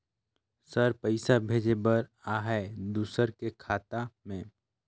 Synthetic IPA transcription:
səɾpəɪsabʱeːd͡ʒebəɾaɦɛd̪uːsəɾkekʰaːt̪amẽː

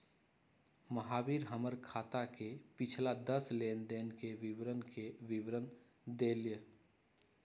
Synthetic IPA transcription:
məɦaːwiːɾɦəməɾkʰaːt̪akepɪt͡ʃʰlad̪əsleːnd̪eːnkeʋɪwɾənkeʋɪwɾən | d̪eːljə

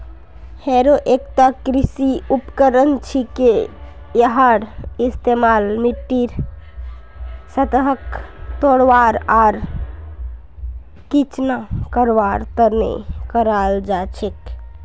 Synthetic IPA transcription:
heɾoʔekt̪akɾisiupkəɾənt͡ʃʰike | jəɦaɽist̪emalmiʈːiɾ | sət̪əɦəkt̪oɽʋaɾaɾ | kit͡ʃnakəɾʋaɾt̪əɾnḛkəɾald͡ʒat͡ʃʰek

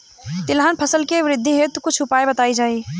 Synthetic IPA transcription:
t̪ɪlɦənpʰəsəlkeʋɾɪd̪ʱːĩɦet̪ukʊt͡ʃʰʊpaːebət̪aːid͡ʒaːi

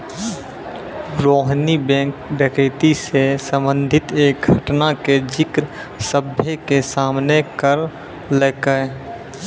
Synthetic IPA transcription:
bɾoːɦnibɛ̃ːŋkɖekɾɪt̪isesə̃mbə̃nd̪ʱɪt̪eːk̚ɡʱəʈnaked͡ʒɪkɾ | səbʱjekesaːmnekəɾ | lekə

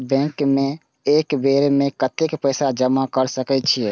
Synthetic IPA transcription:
bɛ̃kmẽ | eːkbeɾmẽkət̪ekpəɪsad͡ʒəmakəɾsəkɛt͡ʃʰiɛ

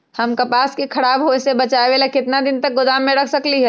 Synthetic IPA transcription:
həmkɐpaːskikʰɐɽaːbɦoesebɐt͡ʃaːeʋeːlakɪt̪nad̪ɪnt̪ɐk̚ɡʊd̪aːmːẽɽəkʰsəkliɦɛ

